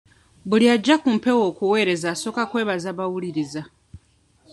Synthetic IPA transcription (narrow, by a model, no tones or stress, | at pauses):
buliaɟːakumpe̞wo̞ːkuwe̞ːɾe̞zaːso̞ːkakwe̞ːβazaːβawuliɾiza